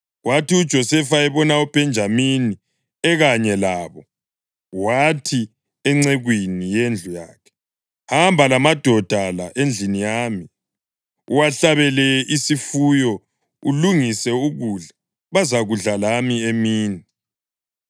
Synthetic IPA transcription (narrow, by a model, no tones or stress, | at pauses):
watiud̥ʒ̥ʱɔsɛfaɛβɔnaub̥ʱɛnd͡ʒʱamini | ɛɣaɲɛlaːβɔ | watʰi | ɛŋ͡ǀɛɣwinijend͡ɮʱujaːkʰɛ̥ | hambʱalamad̥ʱɔd̥ʱalaʔend͡ɮʱinijaːmi | uwaɬaβɛlɛisifujɔ | ṵluŋisɛuɣuɮa | βazaɣuɮalamiemiːni